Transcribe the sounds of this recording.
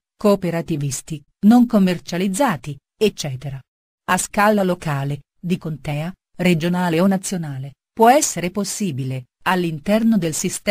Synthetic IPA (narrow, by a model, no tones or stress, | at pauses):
koːpeɾat̪ivist̪i | noŋkomːert͡ʃalid̪zːaːt̪i | et͡ʃːɛːt̪eɾa | askalalokaːle | d̪ikont̪ɛːa | red͡ʒonaːleonat̪sːjonaːle | pwɔɛsːeɾeposːiːbile | alːint̪ɛrnod̪elsist̪